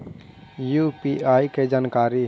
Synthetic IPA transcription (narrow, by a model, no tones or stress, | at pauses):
jupiaːiked͡ʒaːnkaːɾi